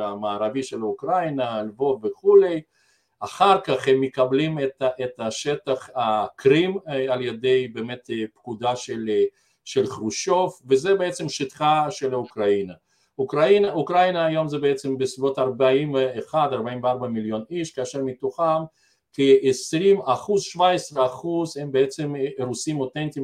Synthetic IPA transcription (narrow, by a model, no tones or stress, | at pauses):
amaːɾaviʃelaukɾajnalvovveχulej | aχaʁkaχhemːekablimet̪aʔet̪aʃet̪aχakɾimaljed̪ejbeːmet̪pkud̪aʃel | ʃelχɾuʃofvezebeet͡semʃit̪χaʃelaukɾaina | ukɾainaukɾainaːjo̞mzebeet͡sembesivot̪aɾbaimveːχad̪aɾbaimveaɾbamiljo̞niʃkeaʃeɾmit̪oχam | kiesɾimaχuzʃvaesɾeaχuzhembeet͡semɾusimot̪ent̪im